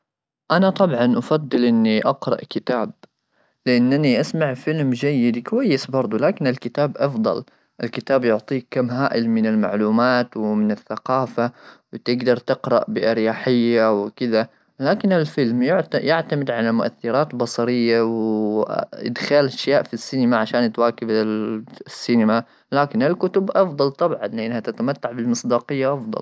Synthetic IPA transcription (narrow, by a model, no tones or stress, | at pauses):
ʔanat̪ˤɑbʕɑnʔafɑd̪ˤːɨlʔɪnːiʔɑqɾˤɑ̰ʔkɪt̪aːb̚ | lɪʔanːʔaniʔasmaʕfɪlmd͡ʒajːɪd̪kawajːɪsbɑɾˤd̪ˤulaːkɪnɪlkɪt̪aːbʔɑfd̪ˤɑ̰l | ʔɪlkɪt̪aːbjʊʕt̪ˤiːkkːamːɦaːʔɪlmɪnɪlma̰ʕluːmaːt̪wɪmɪnɪθːaqɑːfawɪt̪ɪɡd̪ɑɾˤt̪ɪqɾˤɑ̰ʔbɪʔɪɾjaːħɪjːawɪkɪða | laːkɪnalfɪlmjʕjɪʕt̪amɪd̪ʕalamʊʔa̰θːɪɾaːt̪bɑsˤɑɾɪjːawɪ | ʔɪ̰d̪xaːlʔaʃjaːʔfisːiːnɪmaʕaʃaːnt̪waːkɪbalsːiːnɪma | laːkɪnalkʊt̪ʊbʔɑfd̪ˤɑlt̪ˤɑbʕɑnlɪʔɪnːhat̪at̪amat̪ːaʕbɪlmɨsˤd̪ɑːqɪjːaʔɑfd̪ˤɑ̰l